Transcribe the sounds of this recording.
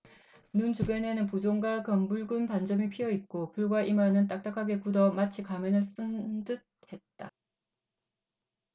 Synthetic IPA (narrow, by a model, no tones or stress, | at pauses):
nunt͡ɕuɡjʌne̞nɯnpud͡ʑoŋɡakʌmbuɭɡunpand͡ʑʌmipʰiʌit̚k͈okuɭɡwaʔimanɯnt̬͈ak̚t͈akʰaɡe̞kudʌmat͡ɕʰikamʌnɯɭs͈ɯndɯt̚he̞t̚t͈a